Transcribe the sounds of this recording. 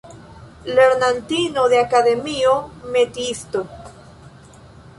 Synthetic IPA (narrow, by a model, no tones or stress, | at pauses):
leɾnant̪inoðeakaðemiomet̪ist̪o